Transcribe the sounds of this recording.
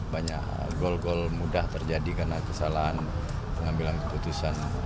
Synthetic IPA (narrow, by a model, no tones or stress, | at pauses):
baɲaʔ | ɡɔlɡɔlmudaht̪ərd͡ʒadikarnakəsalaɦan | pəŋambilankəput̪usan